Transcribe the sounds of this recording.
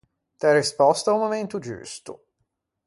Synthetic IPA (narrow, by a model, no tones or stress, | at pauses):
t̪ɛrispɔst̪aumːoment̪ud͡ʒṵst̪ʊ̰